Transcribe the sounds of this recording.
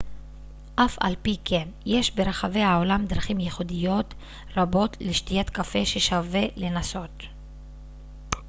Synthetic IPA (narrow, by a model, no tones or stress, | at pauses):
ʔafʔa̰lpikemje̞ʃbe̞ɾaχave̞jhaolamd̪ɾaχimjeχudijo̞t | ɾabo̞tleʃtijatkafe̞ʃeʃave̞le̞naso̞t̪